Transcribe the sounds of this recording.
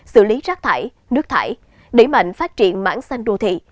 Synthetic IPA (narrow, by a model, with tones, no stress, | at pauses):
sɨ̰˧˨li˨˦zaː˦˥k̚t̪ʰa̰ː˧˩j | nɨ˦˥ək̚t̪ʰa̰ː˧˩j | ɗe˧˩ma̰˧˨jŋ̟faː˦˥t̚t͡ɕḭ˧˨ənma̰ː˧˥nsa˧jŋ̟ɗo˧t̪ʰḭ˧˨